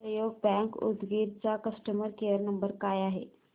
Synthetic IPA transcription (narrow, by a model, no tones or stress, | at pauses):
ɾəjoɡ̚bɛ̃ŋkṵd̪ɡiɾt͡sakəsʈəməɾkejəɾnəmbəɾkajaɦe